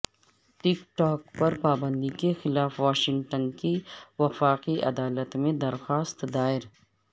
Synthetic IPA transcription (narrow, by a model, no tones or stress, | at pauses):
ʈɪkʈaːkpɐɾpaːbə̃nd̪ikexɪlaːfʋaːʃɪ̃ŋɡʈənkiʋɐfaːqiʔɐd̪aːlət̪mẽd̪ɐɾxaːst̪d̪aːɪɾ